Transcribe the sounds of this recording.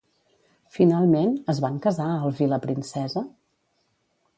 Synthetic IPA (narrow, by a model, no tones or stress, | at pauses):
finalˠmenəzβaŋkəzaəlˠviləpɾinsɛzə